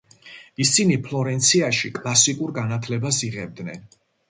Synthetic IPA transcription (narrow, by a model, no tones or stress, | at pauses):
isinipʰlˠɔɾɛnt̪sʰiaʃikʼlˠasikʼuɾɡanat̪ʰlɛbasiʁɛb̚d̪nɛ̰n